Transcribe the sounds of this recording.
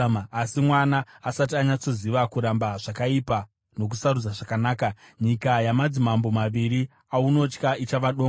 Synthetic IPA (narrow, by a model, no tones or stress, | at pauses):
simwanaːsatiaɲat͡so̞ziʋakuɾambaʐakaipa | no̞k̬usarud͡zaʐakanaːkaɲikajamad͡zimambo̞maʋiri | auno̞t͡ʃkait͡ʃaʋaɗo